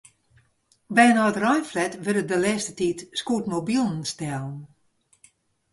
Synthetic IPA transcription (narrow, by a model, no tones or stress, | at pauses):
bɛjnɔətrɔjnflɛtʋøɾədəlɛːstətitskutmobilˠən̩stɛlˠən